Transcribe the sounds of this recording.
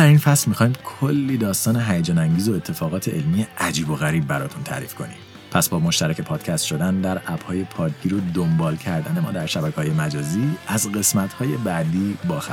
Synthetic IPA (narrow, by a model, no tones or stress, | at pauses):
æɾiːnfæslmixɒːimkʰolːiːd̪ɒːst̪ɒːneɦæjed͡ʒɒːnæŋɟiːzo̞e̞t̪ʰːe̞fɒːɣɒːt̪ʰe̞ʔelmijeʔæd͡ʒiːbo̞ɣæɾiːb̚bæɾɒːt̪ʰunt̪ʰæ̰ɾḭːfkʰo̞̰niːm | pʰæsbɒːmo̞ʃt̪æɾæcʰe̞pʰɒːd̪̥cʰæst̪ʃo̞d̪ænd̪æɾʔæb̥hɒːje̞pʰɒːcɟiːɾod̪ombɒːlcʰæɾd̪æne̞mɒ̰ːd̪æɾʃæbæcʰeɒːjemæd͡ʒɒːziːæzɣe̞smæt̪hɒːje̞bæʔd̪iːbɒːxæ